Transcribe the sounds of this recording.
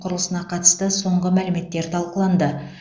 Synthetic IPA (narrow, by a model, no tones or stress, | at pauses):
qʰʊɾəlˠəsənɑqʰɑt̪ə̥st̪əso̞ɴʁəmælɪme̞t̪ːe̞ɾt̪ʰɑlˠqəlˠɑnd̪ə